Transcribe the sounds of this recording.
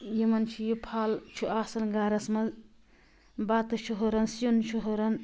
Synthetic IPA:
jimɐnt͡ʃʰujipʰaːlt͡ʃʰuʔaːsɐnɡaːɾɐsmɐz | baːt̪ɨt͡ʃʰuɦoɾɐnsjunt͡ʃʰuɦoɾɐn

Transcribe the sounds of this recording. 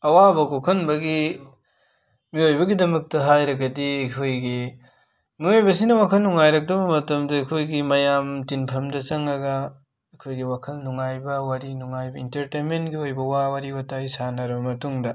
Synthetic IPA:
ɐwabɐkokʰɐnbɐɡi | miojbɐɡidɐmɐk̚tɐɦajɾɐɡɐdiɐkʰojɡi | nuojbɐs̬inɐwakʰɐlnuŋajɾɐk̚dɐbɐmɐtɐmdɐːkʰojɡimɐjamtinpʰɐmdɐt͡ʃɐŋɐɡɐ | ɐkʰojɡiwakʰɐlnuŋajbɐwaɾinuŋajbɐintɐɾtenmentɡiojbɐwawaɾiwatajsanɐɾɐbɐmɐtuŋdɐ

